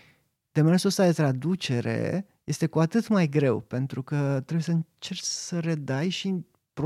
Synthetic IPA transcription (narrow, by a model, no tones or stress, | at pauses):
d̪̥emeɾsost̪ad̪e̞t̪ɾad̪ut͡ʃe̞ɾe̞̰ | je̞st̪e̞kuat̪ɨt̪majɡɾe̞wpe̞nt̪ɾukət̪ɾebuje̞səɨnt͡ʃe̞rt͡ʃsəɾe̞d̪ajʃi | pɾo